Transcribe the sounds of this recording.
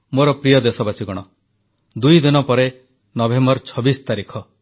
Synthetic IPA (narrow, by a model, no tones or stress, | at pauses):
moɾɔpɾijɔd̪esɔbasiɡɔɽ̃ɔ | d̪ujd̪inɔpɔɾe | nɔbembɔɾt͡ʃʰɔbist̪aɾikʰɔ